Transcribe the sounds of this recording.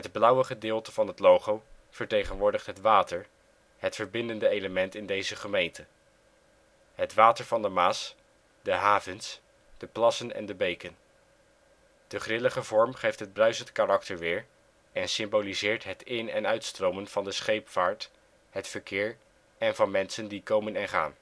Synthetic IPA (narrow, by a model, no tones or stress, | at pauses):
ɦədblʌwəχədɪːlˠtəvɑnɦətlowχow | v̥əɹtejχənʋʊːɹdəχtɦətʋaːtəɹ | ɦətfəɹbɪndəndəejləmɛntɪndejzəχəmejntə | ɦətʋaːtəɹvɑndəmaːs | dəɦaːvəns | d̥əplɑsənɛ̰ndəbejkən | d̥əχrɪləχəvɔɹmχejftɦəd̚brœɥzəntkarɑktəɹʋɪːɹ | ɛnsɪmbolizɪːɹtɦətɪnɛnœɥtstrowmənv̥ɑndəsχejpfaːɹt | ɦətfəɹkɪːɹ | ɛnvɑnmɛnsəndikowmənɛnχa̰ːn